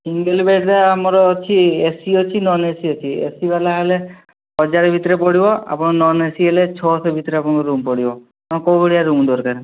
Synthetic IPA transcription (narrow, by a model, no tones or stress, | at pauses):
siŋɡelbeɖd̪aamɔɾɔt͡ʃʰiesiɔt͡ʃʰinɔnesiɔt͡ʃʰiḛsibalaɦale | ɦɔd͡ʒaɾɔbʱit̪ɾepɔɽ̤ibɔa̰pɔɽ̃ɔnɔnesielet͡ʃʰɔt̪ʰɔbʱit̪ɾeapɔɽ̃kɔɾumpɔɽibɔ | ɔkɔwbɔɽijaɾumd̪ɔɾkaɾ